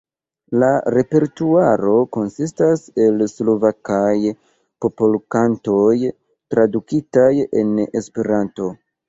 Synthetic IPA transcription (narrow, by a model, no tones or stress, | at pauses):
laɾe̞pe̞ɾtuaɾo̞ko̞nsistase̞lslo̞vakaj | po̞polkanto̞j | tɾadukitaje̞̰ne̞spe̞ɾanto̞